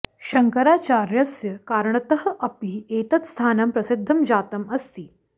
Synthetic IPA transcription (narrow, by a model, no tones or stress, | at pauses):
ɕɐŋkɐɾaːt͡ʃaːɾjɐsjɐkaːɾɳɐt̪əɦə̆ʔɐpieːt̪ɐt̪st̪ʰaːnɐmpɾɐsɪd̪ʱːɐmd͡ʑaːt̪ɐmɐst̪iː